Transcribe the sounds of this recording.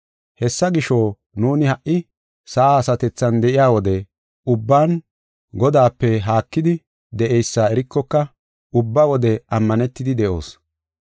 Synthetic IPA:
hɛsːɐɡɪʃoː | nuːnɪhɐʔɪ | sɐʔaːsɐt̪ɛt͡sːɐnd̪ɛʔɪjaːwɔd̪ɛ | ʔʊbːaːn | ɡɔd̪aːpːɛɦaːkːɪd̪ɪ | d̪ɛʔɛjsːaːɛɾɪkːɔkːɐ | ʊbːawɔd̪ɛʔɐmːɐnɛt̪ːɪd̪ɪd̪ɛʔo̞ːs

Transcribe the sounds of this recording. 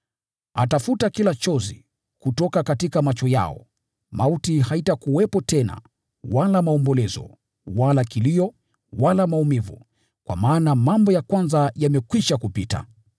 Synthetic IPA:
atafutakilat͡ʃɔzḭ | kutɔkakatikamat͡ʃɔja̰ɔ̰ | mautihaitakuwɛpɔtɛna̰ | walamaɔmbɔlɛzɔ̰ | walakiliɔ | walamaumivṵ | kwa̰maːnamambɔjakwanzajamɛkwiʃakupita̰

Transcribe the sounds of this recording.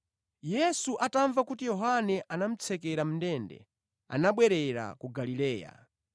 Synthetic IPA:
jɛsuʔataɱvakutijɔɦanɛʔanam̩t͡sʰɛkɛɾam̩ndɛndɛ̰ | a̰naɓwɛɾɛɾa̰kuɡalilɛːja̰

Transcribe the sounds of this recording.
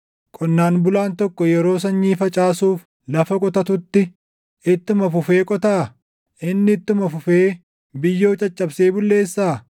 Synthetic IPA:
kʼɔnːaːnbʊlaːnt̪ɔkːɔjɛɾo̞ːs̬ɐɲːiːfɐt͡ʃʼaːsuːf | lɐfɐkʼɔt̪ɐt̪ʊt̪ːɪ | ɪt̪ːʊmɐfʊfe̞ːkʼɔt̪aː | ʔɪnːɪt̪ːʊmɐfʊfeː | bɪjːo̞ːt͡ʃʼɐt͡ʃʼːɐbse̞ːbʊlːe̞ːsːaː

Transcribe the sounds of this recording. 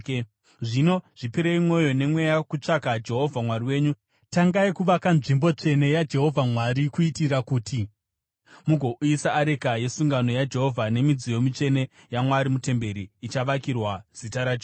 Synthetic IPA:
ʐino̞ʐ̥ipiɾeimwo̞jo̞ne̞mwe̞jakut͡ʂakad͡ʒe̞ɦo̞vʱamwariwe̞ːɲu | taŋɡaikuʋakanʐimbo̞t͡ʂe̞ne̞jad͡ʒe̞ɦo̞vʱamwaɾikuitirakuːtʰi | muɡʱo̞ʔuisaːɾe̞kaje̞suŋɡano̞jad͡ʒe̞ɦo̞vʱane̞mid͡zijo̞mit͡ʂe̞ne̞ | jamwaɾimute̞mbe̞ɾiːt͡ʃaʋakirwaz̥itaɾad͡ʒ

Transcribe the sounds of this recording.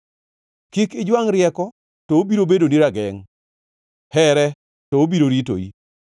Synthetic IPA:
kikɪd͡ʒwaŋɾjɛkɔ | toobiɾobedoniɾaɡɛŋ | hɛɾɛ | tɔobiɾoɾito̰ḭ

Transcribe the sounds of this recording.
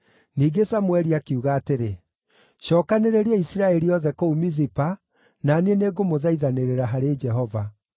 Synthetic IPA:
niːɡesamwɛɾiakiuɣaːteɾe | ɕɔːkaneɾeɾeɛisiɾaɛɾiɔðɛkoumizipa | naneneɡomoðaiðaneɾeɾaɦaɾed͡ʒɛɦɔva

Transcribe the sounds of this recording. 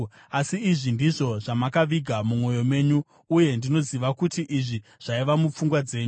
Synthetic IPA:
asiːʐindiʐo̞ʐamakaʋiɡʱamumo̞jo̞me̞ːɲuː | je̞ndino̞ziʋakutiʔiʐiʐ̥aiʋamup͡fuŋɡwad͡ze̞ːɲu

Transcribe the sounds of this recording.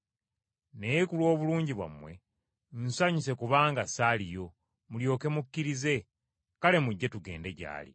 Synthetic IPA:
ne̞jekulwo̞ːβuluːɲɟiβwa̰mwe̞̰ | n̩saɲise̞kuβaːŋɡasalijo̞ | muljo̞ːke̞mukːiɾize̞ | kale̞muɟːe̞tuɡe̞̰ːnde̞ɟa̰ːlḭ

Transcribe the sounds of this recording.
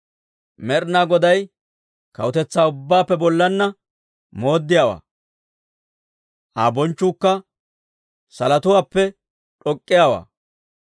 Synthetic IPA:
mɛɾnaːɡɔd̪ɐj | kɐ̰wʊt̪ɛt͡sːaːʊbːaːpːɛbɔlːɐnːɐ | moːd̪ːɪjawa̰ː | ʔa̰ːbɔnt͡ʃːuːkːɐ | sɐlɐt̪ʊwaːpːɛ | ᶑɔkʼːɪjaːwa̰ː

